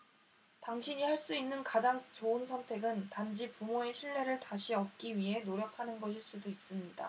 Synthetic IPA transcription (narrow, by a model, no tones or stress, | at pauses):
taŋɕʰiɲihaɭs͈uinːɯnkad͡ʑaŋt͡ɕoɯnsʰʌntʰe̞ɡɯntand͡ʑipumoeɕʰiɭːe̞ɾɯɭtaɕʰiʌp̚k͈iɥiɦe̞noɾjʌkʰanɯnɡʌɕ̬ʰiɭs͈udois͈ɯmɲida̰